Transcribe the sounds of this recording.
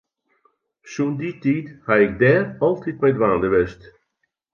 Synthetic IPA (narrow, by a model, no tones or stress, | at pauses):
sunditiːthaɪk̚dɛːrɔlˠtʰitmɛjdʋaːndəʋɛst